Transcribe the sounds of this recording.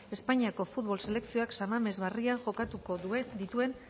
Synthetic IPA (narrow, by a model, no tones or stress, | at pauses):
e̞spaɲiako̞fut̪βo̞lse̞le̞ksio̞aksamame̞zβariaŋʝo̞kat̪uko̞ðued̪it̪ue̞n